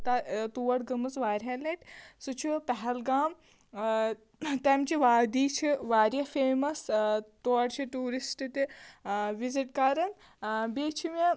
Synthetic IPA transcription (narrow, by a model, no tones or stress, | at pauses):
t̪ɐt̪uːʋɐɽɡɐmɨsʋaːɾʲɦɐlɐʈsut͡ʃʰipɛɦɛlɡaːm | t̪ɛmt͡ʃiʋaːd̪iːt͡ʃʰiʋaːɾjɐfeːmɐst̪oːɐɽt͡ʃʰiʈuːɾisʈt̪i | ʋiziʈkaːɾɐn | beːt͡ʃʰime